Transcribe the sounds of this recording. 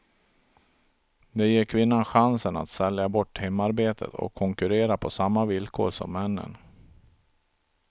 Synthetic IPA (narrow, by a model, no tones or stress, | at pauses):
d̪ɛjeːɾkʰvɪnːanɧansəna̰t̪sɛljabɔʈːhɛmːaɾbeːt̪ʰə̰t̪ʰɔ̰kʰːɔŋkɵɾeːɾapʰɔsamːavɪlkʰo̰ːɾsɔ̰mːɛnːə̰n